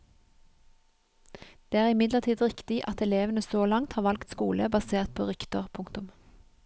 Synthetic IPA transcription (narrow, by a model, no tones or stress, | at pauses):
d̪̥eːæːʁɪmɪd̪ləʁt̪ʰiːd̪ʁɪkt̪ɪʔɑt̪ɛleːʋənəsoːlɑŋt̪hɑːʁʋɑlkt̪skuːləbɑseːʁt̪̚pʰoːʁʏkt̪əʁpʰʊŋkt̪ʊm